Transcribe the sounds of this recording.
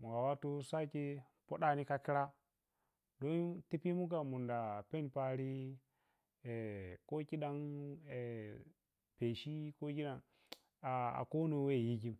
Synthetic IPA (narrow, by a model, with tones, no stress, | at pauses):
mu˨ɡa˨wa˦tu˦sa˦ki˦ | po˦ɗa˦ni˦ka˦ki˦ɾa˦ | do˦nti˦pi˦mu˦ɡa˨mu˨nda˨pe˦n˨pa˦ɾi˦ | e˨ko˦ki˦ɗa˦ne˨ | pe˨ʃi˦ko˦ki˦ɗa˦n | a˨a̰˨ko˦nu˨˦we˦˨ji˦ɡi˦m